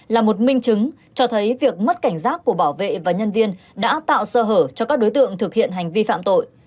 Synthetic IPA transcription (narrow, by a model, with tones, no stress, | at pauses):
laː˨˩mo˨˩t̚mï˧ŋ̟t͡ɕɨ˨˦ŋ | t͡ɕɔ˧t̪ʰə˨˦jvi˨˩ək̚mə˦˥t̚ka˧˩jŋ̟saː˦˥t̚ku˧˩əɓaː˧˩wvḛ˧˨vaː˨˩ɲə˧nvi˧ən | ɗa̰ː˧˥t̪a̰ː˧˨wsəː˧ɦəː˧˩t͡ɕɔ˧kaː˦˥k̚ɗo˨˦jt̪ɨ̰˧˨əŋt̪ʰɨ˨˩k̚hḭ˧˨ənɦa˨˩jŋ̟vi˧fa̰ː˧˨mt̪o̰˧˨j